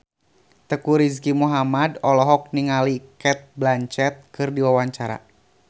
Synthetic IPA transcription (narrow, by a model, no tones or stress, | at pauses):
t̪əkuɾiskimuɦamadɔlɔɦɔk̚niŋalikɛt̪̚blaɲt͡ʃɛt̪̚kɨrdiwawaɲt͡ʃaɾa̰